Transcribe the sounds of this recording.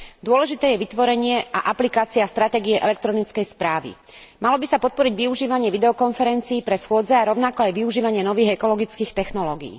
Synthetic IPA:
d̪ʊɔlɛʒit̪ɛːjɛʋit̪ʋɔɾɛɲɪɛʔa̰ʔaplikaːt͡siast̪ɾat̪ɛːɡiɛʔɛlɛk̚t̪ɾɔnit͡skɛjspɾaːʋḭ | malɔbisapɔt̪̚pɔɾiɟʋiuʒiːʋaɲɪɛʋid̪ɛɔkɔnfɛɾɛnt͡siːpɾɛsxʊɔd͡zɛaɾɔʊnakɔajʋiuʒiːʋaɲɪɛnɔʋiːɣɛkɔlɔɡit͡skiːxt̪ɛxnɔlɔɡḭː

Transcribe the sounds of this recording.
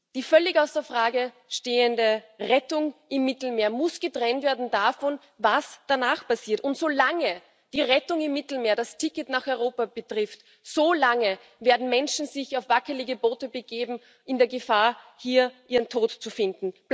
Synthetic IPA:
d̥iːfœlɪçaʊsd̥ːɐfʁ̥aːɡə | ʃteːəndəʁɛtʊŋʔɪmːɪtl̩meːɐmʊsɡ̥ətʁɛntv̥eːɐdn̩dafɔn | vasd̥anaːχpasiːɐtʊntsoːlaŋə | d̥iːʁɛtʊŋɪmːɪtl̩meːɐdastʰɪkətnaːχɔʏʁoːpab̥ətʁ̥ɪft | solaŋə | veːɐdn̩mɛnʃn̩zɪçaʊfv̥akəlɪɡəboːtəbəɡeːbm̩ | ʔɪndeːɐɡəfaːɐhiːɐʔiːʁəntʰoːtt͡sufɪndn̩

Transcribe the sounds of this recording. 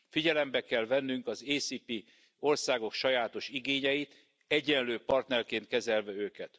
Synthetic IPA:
fiɟɛlɛmbɛkɛlvɛnːyŋkɒzeːsiːpi | o̞rsaːɡo̞kʃɒjaːt̪o̞ʃiɡeːɲɛjit̪ | ɛɟɛnløːpɒrt̪nɛrkeːnt̪kɛzɛlvɛøːkɛt̪

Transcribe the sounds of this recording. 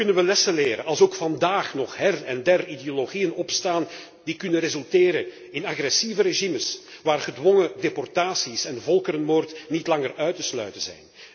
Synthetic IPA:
kɵnənʋəlɛsəleːɾə̰nɑlˠsoːkfɑndaːxnɔχɦɛrɛndɛrideoloɣijənɔpstaːn | d̥ikʏnənrezʏlˠteːɾən | ɪnaɣrɛsivəɾeʒiməsʋaːrɣədwɔŋədepɔrtaːsisɛnvɔlˠkəɾənmoːrtnitlɑŋərœɥtəslœ̰ɥtənzɛ̰jn

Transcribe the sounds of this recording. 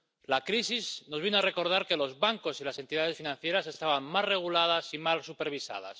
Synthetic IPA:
lakɾisiznozβinoare̞ko̞ɾð̞aɾke̞lo̞zβaŋko̞silase̞nt̪iðað̞e̞sfinãn̟θje̞ɾase̞st̪aβammalre̞ɣ̞ulað̞asimalsupe̞ɾβ̞isa̰ð̞a̰s

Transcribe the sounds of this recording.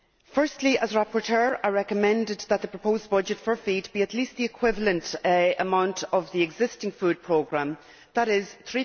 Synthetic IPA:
fɜ˞stʰˡliʔəzəɹapəɹtʰɜɹaɪɹɛkəmɛ̃ndɪd̪̚ðət̪̚ðəpʰɹ̥əpʰoʊzbʌd͡ʒɨtfə˞fidbiətʰlist̪̚ðiɨkʰw̥ɪvələ̃ntəmãʊ̃ntʰəvðiɪɡzɪstɪ̃ŋfʉd̚pʰɹ̥oːɡɹãm | ðəɾɪz̥θɹi

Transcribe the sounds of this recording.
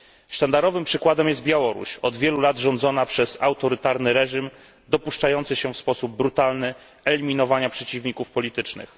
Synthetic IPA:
ʂt̪and̪aɾɔvɘmpʂɘkwad̪ɛmjɛst̪̚bʲjawɔɾṵɕɔd̪vʲjɛlulad̪ʐɔnd̪zɔnapʂɛzawt̪ɔɾɘt̪aɾnɘɾɛʐim | d̪ɔpuʂt͡ʂajɔnt̪sɘɕɛfspɔsub̚ːɾut̪alnɘ | ɛlʲimʲinɔvaɲapʂɛt͡ɕivɲikufpɔlʲit̪ɘt͡ʂnɘ̰x

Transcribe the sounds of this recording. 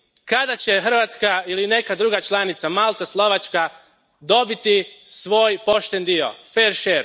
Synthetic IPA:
kad̪at͡ɕe̞xr̩ʋat̪skailine̞kad̪ɾuːɡat͡ʃlˠanit̪samalˠt̪aslˠo̞ʋat͡ʃka | d̪o̞bit̪isʋo̞ːjpo̞ʃt̪e̞nd̪io̞̰feɾʃeːɾ

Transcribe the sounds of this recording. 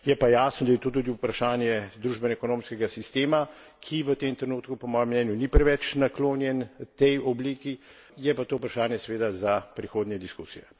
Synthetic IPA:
jɛpajaːsnɔd̪ajɛt̪oːt̪uːd̪iupɾaʃaːnjɛd̪ɾuːʒbɛnaɛkɔnoːmskɛɡasist̪eːma | kʰiʋət̪emt̪ɾɛnuːt̪kupɔmɔːjɛmːnɛːnjunipɾɛʋɛt͡ʃnakloːnjɛnt̪ɛjɔbliːki | jɛpat̪oːupɾaʃaːnjɛsɛʋeːd̪azapɾixoːd̪njɛd̪iskuːsijɛ

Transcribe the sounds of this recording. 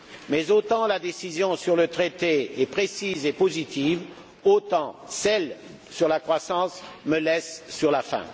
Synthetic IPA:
mɛzot̪ɑ̃lad̪esizjɔ̃syʁlət̪χet̪eɛpχesizepozit̪iv | ot̪ɑ̃sɛl | syʁlakχwasɑ̃sməlɛsːyʁlafɛ̰̃

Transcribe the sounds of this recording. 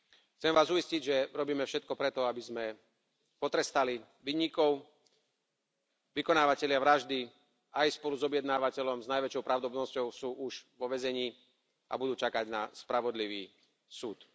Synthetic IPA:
xt͡sɛmʋaːzuisciɟʒɛɾɔbiːmɛfʃɛt̪̚kɔpɾɛt̪ɔabizmɛ | pɔt̪ɾɛst̪ali | ʋiːɲikɔʊ | ʋikɔnaːʋacɛlɪaʋɾaʒd̪i | ajspɔluzɔbjɛd̪naːʋacɛʎɔmznajʋɛt͡ʃɔʊpɾaʊd̪ɔbnɔscɔʊsuːʔuʒʋɔʋɛzɛɲiː | ʔa̰bud̪uːt͡ʃakaɟna̰spɾaʋɔd̪liʋiː | suːt̪

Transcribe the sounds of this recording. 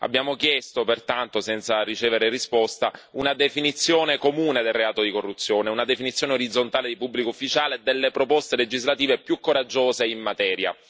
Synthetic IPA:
a̰bːjaːmokjɛst̪opert̪ant̪osɛnt̪sarit͡ʃeːveɾerispɔst̪aunad̪efinit̪sːjoːnekomuːned̪elreaːt̪od̪ikorːut̪sːjoːneunad̪efinit̪sːjoːneoɾid̪zːont̪aːled̪ipubːlikoufːit͡ʃaːled̪elːepɾopɔst̪eled͡ʒizlat̪iːvepjukːoɾad͡ʒːoːzeimːat̪ɛːɾja̰

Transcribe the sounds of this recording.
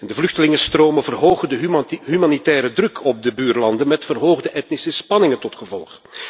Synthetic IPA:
ɛndəvlɵxtəlɪŋəstroːmənvərɦoːɣəndəɦymanitɛːɾədrɵkʰɔb̚dəbyːrlɑndənmɛtfərɦoːɣdəʔɛtnisəspɑnɪŋəntɔtxəvɔlˠχ

